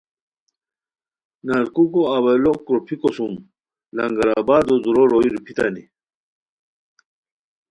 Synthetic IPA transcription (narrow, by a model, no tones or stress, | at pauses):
naɾkukoawɐlokɾopʰikosum | lɐŋɡɐɾabaːd̪ozuɾoɾoiɾupʰit̪a̰nḭ